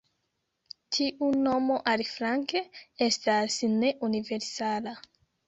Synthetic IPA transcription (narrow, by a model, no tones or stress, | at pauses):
tʰiʔuno̞mo̞ʔalifɾaŋke̞estasne̞ʔunive̞ɾsala